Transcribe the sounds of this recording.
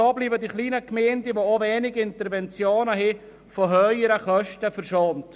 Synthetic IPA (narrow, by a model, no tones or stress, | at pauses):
ɔːbliːbədiχliːnəkmɛːndiʋooʋɛːnɪɡɪntəɾvɛnt͡sjoːnəɦi | foɦœʏəɾəχœʃtəfəɾʃoːnt